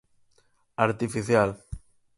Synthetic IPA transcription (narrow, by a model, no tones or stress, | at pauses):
aɾt̪ifiθjal